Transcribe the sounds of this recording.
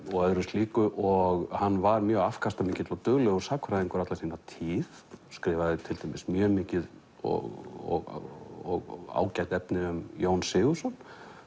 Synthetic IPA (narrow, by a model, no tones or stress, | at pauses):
ɔɣœðɾʏst̪liːkʏʔɔɣhanːvaɾmjœːɣafkʰast̪amɪːcɪt̪lɔt̪ʏɣlɛɣʏɾ̥saːkʰvɾaðiŋkʏɾat̪lasiːnat̪ʰiːðskɾɪːvaðɪt̪ʰɪlt̪ʰemɪsmjœːmɪːcɪð | ɔ̰ɣɔ̰ɣɔɣa̰ːwcajt̪ɛpnɪʏmjoːwnsɪːɣusɔn